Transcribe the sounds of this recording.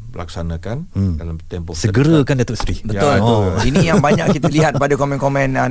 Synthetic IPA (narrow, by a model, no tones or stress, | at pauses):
əlak̚sanakandalamt̪ɛmpɔsəɡəɾəkandat̪uʔst̪ɾibəjt̪olbəʊlinĩjaŋbaɲakkːit̪əliɦat̪̚padakomɛ̃nkomɛ̃na